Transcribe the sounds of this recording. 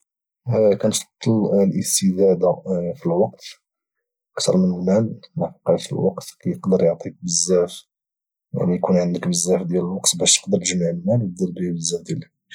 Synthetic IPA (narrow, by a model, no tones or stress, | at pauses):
kænfɑ̥t̪ˤːɑllʔəst̪əd̪æd̪afilwɑq̚t̪ | ʔəkt̪ɑ̰ɾˤmənlmælmæfqːɑfḭlwɑ̰qt̪kæjəqd̪əɾjoʕt̪ˤik̚bəzːæf | mæjkunʕənd̪əkbəzːæfd̪jæləlwɑqt̪bæʃt̪ə̥qd̪əɾʒmaʕəlmælwd̪iɾbihbəzːæd̪jælæ